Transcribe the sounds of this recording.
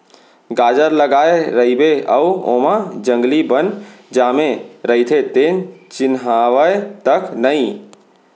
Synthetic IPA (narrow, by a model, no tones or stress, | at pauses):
ɡaːd͡ʒəɾləɡaːeɾəibeəuo̰ːmad͡ʒə̃ŋɡlibənd͡ʒaːmeɾəit̪ʰet̪eːnt͡ʃɪnɦaʋəet̪əknəĩ